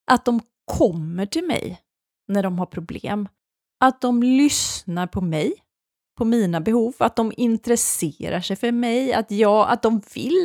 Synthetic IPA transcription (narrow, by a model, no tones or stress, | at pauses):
ʔat̪̚d̪ɔm | kʰɔmːəʈʰɪlmɛ̰j | næɖɔmɦaɾpʰɾʊblḛːm | ʔat̪̚d̪ɔmlʏsnaɾpʰɔmɛj | pʰɔmiːnabɛhuːvat̪̚d̪ɔmɪnt̪ɾɛsḛːɾaʂɛjfœɾmɛja̰t̪jɑːa̰t̪̚d̪ɔmvɪ̰l